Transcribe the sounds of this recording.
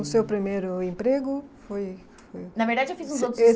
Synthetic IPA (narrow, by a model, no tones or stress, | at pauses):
ʊsewpɾimejɾʊẽmpɾeɡʊfoj | fojnɐveɾd̪ad͡ʒɪewfizũzot̪ɾe